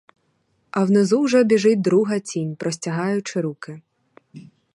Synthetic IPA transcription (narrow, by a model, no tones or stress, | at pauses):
ɐwnezuwʒɛɔbʲiʒɪd̪ɾuɦɐt͡sʲinʲpɾɔsʲtʲɐɦɑjʊt͡ʃɪɾukɪ